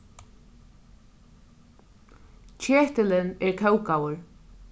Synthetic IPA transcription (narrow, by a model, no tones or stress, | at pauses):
t͡ʃʰeːht̪ɪlɪnɛɹkʰœwkawʊɹ